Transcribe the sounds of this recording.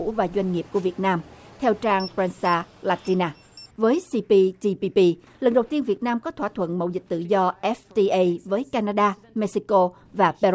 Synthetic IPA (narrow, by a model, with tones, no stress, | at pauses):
ṵ˧˥vaː˨˩zwa˧jŋ̟ŋi˨˩əp̚ku˧˩əvi˨˩ət̚naː˧mt̪ʰɛ˧wt͡ɕaː˧ŋpɾɛ˧nsaː˧laː˧t̪i˧naː˧ | vəː˨˦jsi˧pi˧t̪i˧pi˧pi˧lə˨˩ŋɗə˨˩wt̪i˧ənvi˨˩ət̚naː˧mkɔ˨˦t̪ʰwaː˧˩t̪ʰwə̰˧˨nmə̰˧˨wzï˨˩k̟̚t̪ɨ̰˧˨zɔ˧ʔɛ˦˥ft̪i˧ʔə˧vəː˨˦jkaː˧naː˧ɗaː˧me˧si˧ko˧ | vaː˨˩pɛ˧